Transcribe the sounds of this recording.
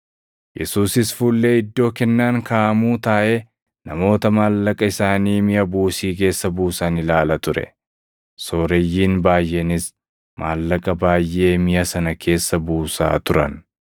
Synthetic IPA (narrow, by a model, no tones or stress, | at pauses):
jɛsuːsɪsfuːlːe̞ːɪd̪ːo̞ːkɛnːaːŋkaːʔɐmuːt̪aːʔeː | nɐmo̞ːt̪ɐmaːlːɐkʼɐɪsaːniːmɪjɐbuːsiːk̬e̞ːsːɐbuːsaːnɪlaːlɐt̪ʊɾɛ̰ | so̞ːɾɛjːiːnbaːjʔe̞ːnɪs | maːlːɐkʼɐbaːjʔe̞ːmɪjɐsɐnɐkʰe̞ːsːɐbuːsa̰ːt̪ʊɾɐn